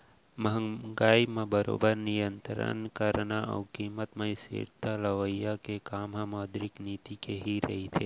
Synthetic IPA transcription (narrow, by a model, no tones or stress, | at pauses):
məɦəŋɡaːimãbəɾo̰ːbəɾnijənt̪ɾə̰nkəɾnaə̰wkiːmət̪mãisḭɾt̪aləʋəjakekaːmɦãmɔːd̪ɾɪkniːt̪ikeɦiɾɐ̰ɦit̪ʰe